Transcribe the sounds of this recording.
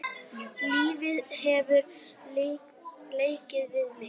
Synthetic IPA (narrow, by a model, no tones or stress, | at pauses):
liːvɪðhɛvʏɾ | leːjcɪðvɪðmɪ